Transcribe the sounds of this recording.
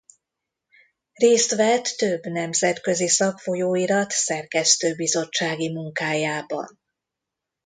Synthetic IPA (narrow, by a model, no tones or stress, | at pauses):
reːst̪ʋɛt̪ːøbːnɛmzɛt̪kø̞zisɒkfo̞joːiɾɒt̪sɛrkɛst̪øːbizo̞t͡ʃːaːɡimuŋkaːjaːbɒ̰n